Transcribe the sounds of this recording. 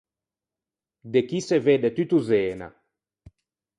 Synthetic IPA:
d̪ekiseved̪et̪yt̪uzeːna̰

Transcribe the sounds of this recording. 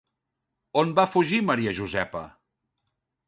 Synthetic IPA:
onbafuʒiməɾiəʒuzɛpə̰

